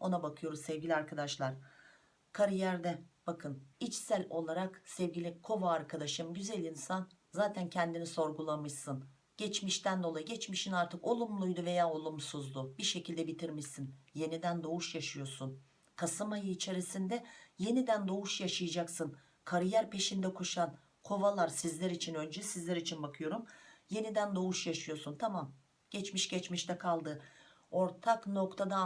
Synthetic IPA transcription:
o̞nabakʰɯjo̞ɾusɛvɟilʲiaɾkʰad̪aʃlˠaɾ̥ | kʰaɾɯjæɾd̪ɛb̥akʰɯnit͡ʃsælʲo̞lˠaɾaksɛvɟilʲikʰo̞vaːɾkʰad̪aʃɯmɟyzælʲinsan | zaːt̪ʰæncʰɛnd̪iniso̞ɾɡulˠamɯʃsɯn | ɟ̥ɛt͡ʃmiʃt̪ʰænd̪o̞lˠajɯɟɛt͡ʃmiʃinaɾt̪ʰɯko̞lˠumlˠujd̪uve̞jaːo̞lˠumsuzd̪ubiɾʃe̞cʰilʲd̪ɛbit̪ʰiɾmiʃsinje̞nid̪ænd̪o̞uʃjaʃɯjo̞sun | kʰasɯmajɯːt͡ʃʰe̞ɾisind̪ɛje̞nid̪ænd̪o̞vuʃjaʃɯjad͡ʒaksɯn | kʰaɾijæɾpʰe̞ʃind̪ɛkʰoʃan | kʰo̞valˠaɾsizlʲɛɾit͡ʃʰinø̞nd͡ʒɛsizlʲɛɾit͡ʃʰinbakʰɯjo̞ɾumje̞nid̪ænd̪o̞uʃjaʃɯjo̞ɾsunt̪ʰamam | ɟ̥ɛt͡ʃmiʃɟɛt͡ʃmiʃt̪ʰɛkʰalˠd̪ɯ | o̞ɾt̪ʰakno̞kt̪ʰad̪a

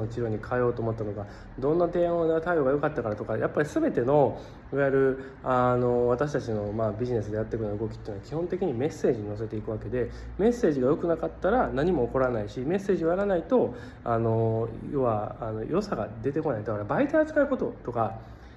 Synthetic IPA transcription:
ot͡ɕiɾo̞ːɲ̟ikʰaejo̞ːt̪o̞ːmot̪ːano̞ɡa | d̪õ̞nːad̪ẽ̞od̪at̪aio̞ɡajo̞kat̪ːakaɾat̪o̞kajapːaɾʲisɨbe̞t̪e̞no̞ | iβaiɾɯ̟ | ano̞β̞at̪aɕ̬i̥t̪at͡ɕino̞maːbʲiʑine̞sɨd̪e̞jat̪ːe̞kɯnoɯ̟ɡo̞kʲi̥t̪eiɯnoakʲihõ̞nt̪e̞kʲiɲ̟ime̞se̞ːʑiɲ̟ino̞s̬e̞t̪e̞ikɯ̟βake̞d̪e̞ | me̞se̞ːʑiɡajo̞kɯnakat̪ːaɾanaɲ̟imo̞ːko̞ɾanaiɕime̞sːe̞ːʑiojaɾanait̪o̞ | ano̞jo̞βaano̞jo̞saɡa̰d̪e̞t̪e̞ko̞naid̪akaɾabait̪aɾt͡sɨ̥kaiko̞t̪o̞t̪o̞ka

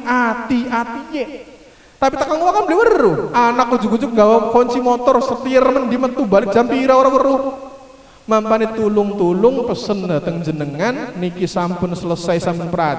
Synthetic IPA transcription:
at̪iʔat̪ije | t̪apit̪akalŋulakanbəlɛwəruʔanak̚u̥d͡ʒṳkud͡ʒukŋɡawakɔɲt͡ʃimɔt̪ɔrsət̪iəɾmənd̪imət̪ubalɪk̚d͡ʒ̥ampiɾaoɾawəɾʊh | mampanit̪ulʊŋt̪ulʊŋpəsəndat̪əŋd͡ʒənəŋanːikisampʊnsələsajsampʊnpəɾa

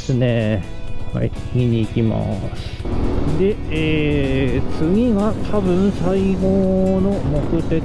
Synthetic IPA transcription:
sɨne | ha̰i | ɲʲiɲ̟iːkʲima̰sɨ̥d̪e̞eːt͡sɨɡʲiɡat̪ʰabɯ̟̃ɰ̃saiɡono̞mo̞kɯ̟t̪e̞

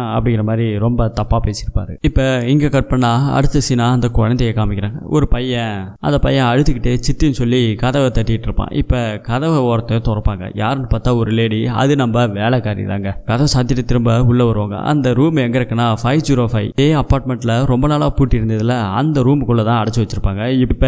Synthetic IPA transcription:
ɐpːɐɽɪŋɡɪɾɐmaːd̪ɾiɾɔmbɐt̪ɐpːaːpeːsɪɾɯpːa̰ːɾɯɪpːɐɪŋɡɐkɐʈ̚pɐɳːaːɐ̰ɽɯt̪ːɯsinaːɐnd̪ɐkɔɻɐnd̪ɐjɐkaːmɪkʲːɪɾaːŋɡɐ̰ʔɔ̰ɾɯpɐjːɐ̃ʔɐ̰nd̪ɐpɐjːɐ̃ɐɽɯt̪ːɯkːɪʈːeːt͡ʃɪt̪ːinɯsɔlːikɐðɐʋɐt̪ɐʈːɪkɪʈːɪɾɯpːã̰ːʔɪpːɐkɐðɐʋɐoːɾɐt̪ːɯt̪ɔɾɐɾpːaːŋɡɐ̰jaːɾɐnɯpaːt̪ːaːɔɾɯleːɽiɐ̰ðɯnɐmbɐʋeːɭɐkaːɾḭða̰ːŋɡɐkɐðɐʋɐsaːd̪ʱjɐɾɐt̪ːɪɾɯmbɐʊɭːɐʋɐɾɯʋaːŋɡɐ̰ʔɐ̰nd̪ɐɾuːmɛŋɡɐɾɯkːɐnːaːfɐɪʋd͡ʒiːɾoːfɐɪeːɐpːaːɾʈ̚mɛɳʈːɪlɐɾɔmbɐnaːlaːpuːʈːɪɪɾɯnd̪ɐðɯlɐɐ̰nd̪ɐɾuːmkʊɭːɐt̪ãːɐɽɐt͡ʃːɯʋɐt͡ʃːɯɾɯpːaːŋɡɐɪpːɐ

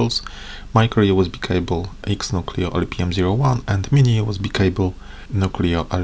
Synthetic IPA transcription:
ls | majkʰɔɹiawɔzbikʰejbəlʔiksnukʰlḭoʔɛ̰lpiɛ̃mziɹowãnɛ̃ndminiwɔzbikʰeɪbəl | nukʰliɔʔɛl

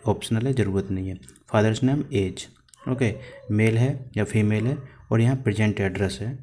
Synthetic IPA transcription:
ɔːpʃənəlɦɛd͡ʒɐɾuːɾət̪nɐɦĩɦɛːfʰaːd̪əɾsneːmeːd͡ʒ | oːkemeːlɦɛjafʰiːmeːlɦɛɔːɾjɐɦãpɾed͡ʒẽɳʈɛɖɾɛsɦɛː

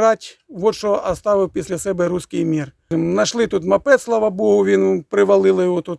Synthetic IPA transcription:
ɾɑtʲʋɔt͡ʃɔɐst̪ɑʋɪwpʲisʲlʲɐsɛbɛɾuskɪjmʲir | nɐʃlˠɪt̪ut̪mɐpɛt̪slˠaʋɐbɔɦʊʋʲinpɾɪʋɐlˠɪlˠɪjɦɔt̪ut̪

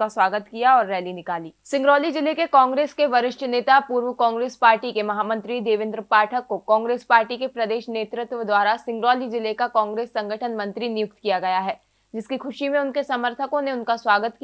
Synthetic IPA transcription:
aswaːɡət̪kijaɔːɾːɛːlinɪkaːliːsɪ̃ŋɡɾɔːlid͡ʒɪlekekɔːŋɡɾeːskeʋɐɾɪʃʈʰneːt̪apuːɾʋəkɔ̃ːŋɡɾeːspaːɾʈikemɐɦaːmɐ̃nt̪ɾid̪eːʋɪ̃nd̪ɾəpaːʈʰəkːokɔ̃ːŋɡɾeːspaːɾʈikepɾɐd̪eːʃneːt̪ɾɪt̪wəd̪waːɾasɪ̃ŋɡɾɔːlid͡ʒɪlekakɔːŋɡɾeːsːɐ̃ŋɡəʈʰənmɐ̃nt̪ɾinɪjʊk̚t̪kijaɡɐjaɦɛː | d͡ʒɪskikʰʊʃimẽʊnkesɐməɾt̪ʰəkõneʊnkasʋaːɡət̪k

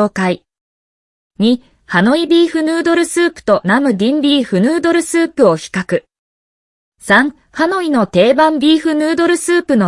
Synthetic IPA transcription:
oːkai | ɲ̟i | hano̞ibʲiːɸɯ̟nɯːd̪o̞ɾɯ̟sɨːpɯ̟̥t̪o̞namɯ̟d̪ʲĩmbʲiːɸɯ̟nɯːd̪o̞ɾɯ̟sɨːpɯ̟o̞çi̥kakɯ̟ | sãɴ̃ | hano̞ino̞t̪e̞ːbãmbʲiːɸɯ̟nɯːd̪o̞ɾɯ̟sɨːpɯ̟no̞

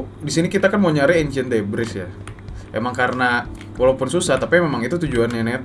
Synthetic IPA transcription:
disinikit̪akanmoɲaɾɛeɲd͡ʒɛnd̪ebɾɪsja | ʔemaŋkaɾəna | walaupʊnsusaht̪apimemaŋit̪ut̪ud͡ʒuananɛt̪

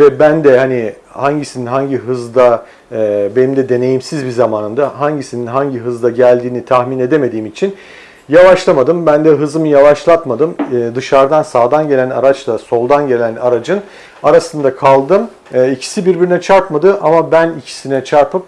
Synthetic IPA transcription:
vɛbænd̪ɛhani | haɲɟisininɦaɲɟiɦɯzd̪aː | be̞nimd̪ɛd̪e̞ne̞jimsizbizamaːnɯmd̪aɦaɲɟisininɦaɲɟiɦɯzd̪ˠaɟælʲd̪iːnit̪ʰahmine̞d̪eme̞d̪iːmit͡ʃʰin | javaʃlˠamad̪ɯmbænd̪ɛɦɯzɯmɯjavaʃlˠat̪mad̪ɯmːd̪ɯʃaɾd̪ansaːd̪anɟe̞lʲæna̰ɾat͡ʃlˠaso̞lˠd̪anɟe̞lʲænaɾad͡ʒɯn | aɾasɯnd̪akʰalˠd̪ɯm | ɛicʰi̥sibiɾbiɾinɛt͡ʃʰaɾpmad̪ɯʔamabænicʰi̥sinɛt͡ʃʰaɾpɯm

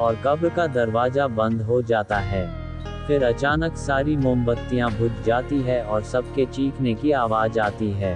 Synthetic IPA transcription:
ɔːɾkɐbɾkad̪ɐɾʋaːzabɐ̃nd̪ɦod͡ʒaːt̪aɦɛː | fɪɾɐt͡ʃaːnəksaːɾimʊmbət̪ːijãbʱʊd͡ʒd͡ʒaːt̪iɦɛɔːɾsɐbket͡ʃiːkʰnekiaːʋaːzaːt̪iɦɛː

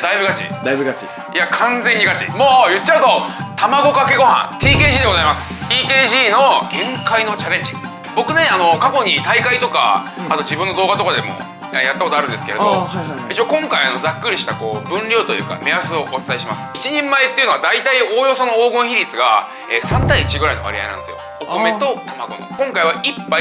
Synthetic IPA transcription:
d̪aibɯɡat͡ɕḭd̪abɯɡi | jakʰãnd͡zeɲ̟ːiɡat͡ɕḭmo̞ːjɯ̟t͡ɕːaɯ̟t̪o̞t̪amaɡo̞kake̞ɡo̞ɦã̰t̪ʰiːke̞ːʑiːd̪eozaimasɨ̥t̪iːkeːʑiːno̞ɡẽ̞ŋkaino̞t͡ɕaɾẽ̞ɲ̟d͡ʑḭ | bo̞kɯ̟ne̞ano̞kako̞ɲ̟it̪aikait̪o̞ka̰at̪o̞d͡ʑibɯ̟̃nːo̞d̪oːɡat̪o̞kad̪emo̞̰ | ejat̪ːako̞t̪oaɾɯ̟nd̪eske̞ɾd̪o̰it͡ɕiokõ̞ŋkaiano̞d͡zakːɯ̟ɾʲiɕi̥t̪ako̞ːbɯ̟̃nɾʲo̞ːt̪o̞jɯ̟ːka̰me̞asɨo̞ʔot͡sɨ̥t̪aiɕimasɨ̥it͡ɕiɲ̟ẽ̞mːae̞t̪ːeiɯ̟noad̪ait̪aio̞ːjo̞sono̞oːɡɯ̟̃ɰ̃çiɾʲit͡sɨɡa̰ | eːsãnt̪aiːt͡ɕiɡɯ̟ɾaino̞βa̰ɾʲia̰inã̰nd̪sɨjo̞̰ | oome̞t̪o̞t̪amaɡo̞̰no̰kõ̞ŋkaiβaipːa

